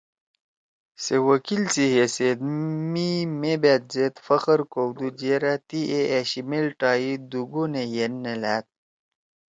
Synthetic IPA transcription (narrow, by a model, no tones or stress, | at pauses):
sewəkilsiɦesed̪mimebet̪̚zet̪fɐxəɾkowd̪ud͡ʑeːɾat̪iʔeaɕimelʈaːid̪uɡonejenːelæːt̪̚